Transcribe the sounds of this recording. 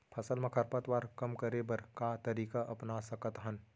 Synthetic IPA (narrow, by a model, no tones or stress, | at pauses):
pʰɐsəlmẽkʰɐɾpət̪waːɾkɐmkɐɾebɐɾkat̪ɐɾiːkaʔɐpnasɐkət̪ɦɐn